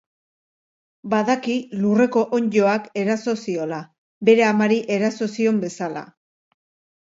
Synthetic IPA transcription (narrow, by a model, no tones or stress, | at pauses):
baðakilure̞ko̞ʔoɲd͡ʒo̞ake̞ɾaso̞sio̞la | be̞ɾe̞amaɾiʔe̞ɾaso̞sio̞mbe̞sala̰